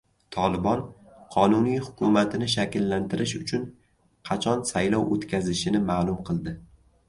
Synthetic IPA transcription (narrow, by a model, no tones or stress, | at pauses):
t̪ʰɒlˠɪbɒn | qʰɒnʊnijhʊkʲʰʊmat̪ʰɪnɪʃ̬akʲɪlːant̪ʰɪɾʔɪʃʊt͡ʃʰʊn | qʰɑt͡ʃʰɒnsajlɒwot̪kʲʰazɪʃɪnɪmalˠʊmqʰɨlˠd̪ɪ